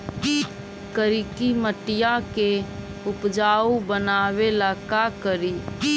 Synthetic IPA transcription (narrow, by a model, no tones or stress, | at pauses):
kəɾikiməʈɪjake | ʊpd͡ʒaːubənaːwelakakəɾi